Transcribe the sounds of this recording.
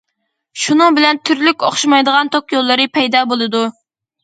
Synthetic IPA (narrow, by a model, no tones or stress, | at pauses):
ʃunɨŋbɪlɛnt̪ʰyɾlykʲoχʃɑmɑjd̪əʁɑnt̪ʰoqjolˠːɨɾɨpʰɛjd̪ɑːbolˠɨd̪u